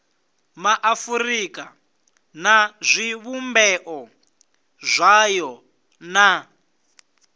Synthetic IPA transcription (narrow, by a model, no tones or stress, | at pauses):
maʔafuɾika | nazʷiβumbɛʔɔ | zʷajɔ | na